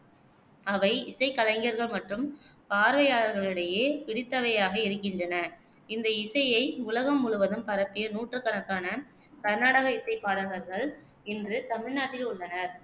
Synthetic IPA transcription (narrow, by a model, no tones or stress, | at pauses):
ɐʋɐɪɪsɐɪkːɐlɐŋɡjɐɾɣɐɭmɐʈrɯmpaːɾʋɐjaːɭɐɾɣɐɭɪɽɐjeːpɪɽɪt̪ːɐʋɐjaːɣɐɪɾɯkːɪndrɐnɐ | ɪnd̪ɐɪsɐjɐɪʊlɐɣɐmːʊɻʊʋɐðɯmpɐɾɐpːɪjɐnuːʈrɯkːɐnɐkːaːnɐ | kɐɾnaːɽɐɣɐɪsɐɪpːaːɽɐɣɐɾɣɐɭ | ɛndrɯt̪ɐmɪɻnaːʈːɪlʊɭːɐnɐɾ